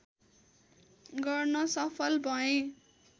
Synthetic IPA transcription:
ɡʌrnʌsʌpʰʌlbʱʌẽ

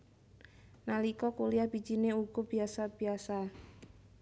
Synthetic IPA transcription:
nalikɔkuliab̥i̥d͡ʒineuɡ̥ɔb̥iasab̥iasa

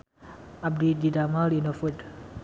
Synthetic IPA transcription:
ab̚dididamalinofut

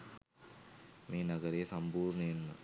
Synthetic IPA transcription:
miːnɐɡɐɾejɐsɐmpuːɾɳɐjenːɐ̰

